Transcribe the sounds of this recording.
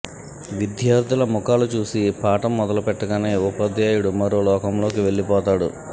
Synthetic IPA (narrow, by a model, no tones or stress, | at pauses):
ʋid̪jaːɾd̪ʱilɐmukaːlut͡ʃuːsipaːʈɐmːɔd̪ɐlupɛʈːɐɡaːneːupɐd̪jaːjuɽumɐɾoːlɔːkɐmlo̞ːkiʋe̞ɭːipɔːt̪aːɽṵ